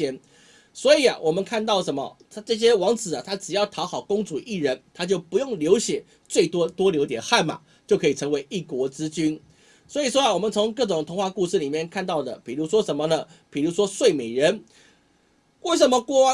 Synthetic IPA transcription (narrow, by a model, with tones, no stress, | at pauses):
ɛ˥n | swɔ˧˥i˨˩a̰˦wʔɔ˨˩mə˦nkʰa˥˧nt̪ɑ˥˩ʊʂə˧˦nmə̰˨t̪ʰa˥ʈ͡ʂɤ˥˧ɕ̬jɛ˥wɑ˧˥ŋt͡sɹ̩˨˩ɐ˨t̪ʰa˥ʈ͡ʂɻ̩˨˩jɑ˥˩ʊt̪ʰɑ˧˥ʊxɑ˨˩ʊkʊ˥ŋt͡su˨˩ʔi˥˩ɻə˧˥nt̪ʰa˥t͡ɕjo˥˩ʊpu˧˥jʊ˥˩ŋljo˧˥ʊɕjɛ˨˩˦ | t͡swe˥˩ɪt̪wɔ˥t̪wɔ˦˥ljo˧˥ʊt̪jɛ̰˨˩nxa˥˩nma̰˨˩ | t͡ɕjo˥˩ʊkʰɤ˧˥i˨˩ʈ͡ʂʰɤ˧˥ŋwe˧˥ɪʔi˥˩kwɔ˧˥t͡sɹ̩˦t͡ɕy˥n | swɔ˧˥i˨˩ʂ̬wɔ˥a˨wɔ˨˩mə˨˦nt͡sʰo˧˥ŋkɤ˥˩ʈ͡ʂʊ˨˩ŋt̪ʰʊ˧˥ŋxwa˥˧ku˥˧ʂɻ̩˥˩li˨˩mjɛ˥˨nkʰa˥˧nt̪ɑ˥˩ʊd̪ə̰˩pi˨˩ɻu˧˥ʂ̬wɔ˥ʂə˧˥nmə˧nə˨ | pi˨˩ɻu˧˥ʂwɔ˥swe˥˩ɪme˨˩ɪɻə˧˦n | we˥˩ɪʂə˨˩nmə˧kwɔ˥